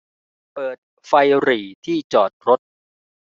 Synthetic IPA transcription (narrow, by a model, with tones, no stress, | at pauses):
pɤː˨˩t̪̚ | fa˧jɾiː˨˩t̪ʰiː˥˩t͡ɕɔː˨˩t̪̚ɾo˦˥t̪̚